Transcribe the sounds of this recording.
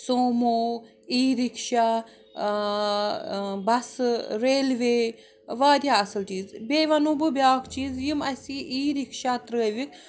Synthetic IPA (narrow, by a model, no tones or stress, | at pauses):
soːmoː | iːɾikʃaː | bɐsɾeːlʋeː | ʋaːd̪ʲjaːɐsɨlt͡ʃiːzbeːʋɐnububʲjaːkʰt͡ʃiːzjimɐsʲiʔiːɾikʃaːt̪ɾəːʋikʰ